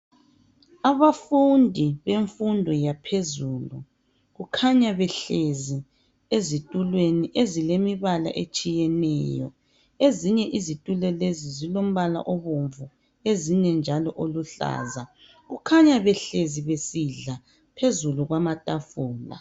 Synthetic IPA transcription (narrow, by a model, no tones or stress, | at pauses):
aβafundʱiβeɱfundʱɔjapʰezuːlu | ɣukʰaɲaβɛɬezi | ezitʼulweniʔezilemiβala̰ʔet͡ʃʼijɛnɛːjɔ̰ | eziɲɛʔizitʼulɛlezizilom̩βala̰ʔoβoɱvu | eziɲɛnd͡ʒʱalɔʔoluɬa̰ːza | ɣukʰaɲaβɛɬeziβesiɮa | pʰezuluɣwamatʼafuːla̰